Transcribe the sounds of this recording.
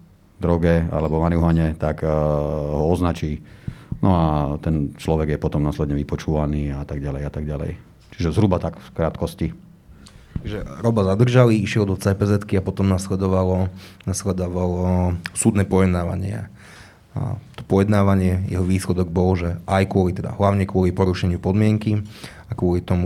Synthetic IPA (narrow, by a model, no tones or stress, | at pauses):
d̪ɾɔɡɛa̰lɛbɔmaniɦaɲɛt̪ak | ɦɔɔznat͡ʃiːnʔɔat̪ɛnt͡ʃlɔʋɛɡjɛpɔt̪ɔmnaːslɛd̪ɲɛʋipɔt͡ʃuːʋaniːat̪aɡɟalɛjat̪aɡalɛ̰j | t͡ʃiʒɛzɦɾubat̪akkɾaːt̪kɔsci | aʒɛɾɔbazad̪r̩ʒaliiʃjɛld̪ɔt͡sajpɛzɛt̪kiapɔt̪ɔmnaslɛd̪ɔʋalɔnaslɛd̪ɔʋalɔsuːd̪nɛːpɔjɛd̪naːʋa̰ɲɪɛ̰ | t̪ɔ̥pɔjɛd̪naːʋaɲɪɛjɛ̰ɦɔʋiːslɛd̪ɔɡ̚bɔlʒɛʔajkʊɔlit̪ɛd̪a̰ɦlaʊɲɛkʊɔlipɔɾuʃɛɲɪupɔd̪mɪɛŋkiakʊɔlit̪ɔmu